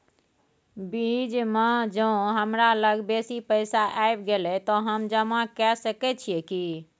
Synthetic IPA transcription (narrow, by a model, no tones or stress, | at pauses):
bid͡ʒmad͡ʒə̃ɦəmɾaləɡbesipəɪsaʔajbɡelɛt̪ɔɦəmd͡ʒəmakɛsəkɛt͡ʃʰijɛki